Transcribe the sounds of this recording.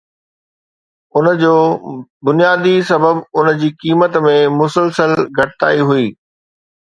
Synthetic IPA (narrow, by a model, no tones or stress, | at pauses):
ʊnə̆d͡ʑoːbʊnijaːd̪isɐbəbʊn̆d͡ʑiːkiːmət̪mẽmʊsəlsəlɡʱɐʈɪt̪a̰ːiɦʊiː